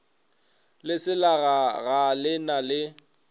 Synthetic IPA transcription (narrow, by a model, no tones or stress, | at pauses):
lɪsɪlaɣaɣalɪnalɪ